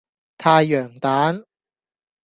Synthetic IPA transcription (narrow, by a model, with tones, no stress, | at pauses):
t̪ʰaː˧jːœː˨˩ŋt̪aː˨˥n